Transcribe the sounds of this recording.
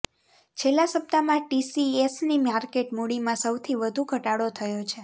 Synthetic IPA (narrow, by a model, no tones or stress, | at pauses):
t͡ʃʰelːasəp̚t̪amãʈisiesnimaɾkeʈmuɽimãsəwt̪ʰiʋəd̪ʱũɡʱəʈaɽot̪ʰəjot͡ʃʰe